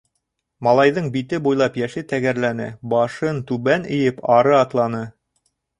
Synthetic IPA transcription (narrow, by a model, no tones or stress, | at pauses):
mɑlˠɑjðɤɴbit̪ɘbujlˠɑpjæʃɘt̪æɡæɾlænɘ̰bɑʃɤnt̪ʉβænɘ̆jɘpɑɾɤɑt̪lˠɑnɤ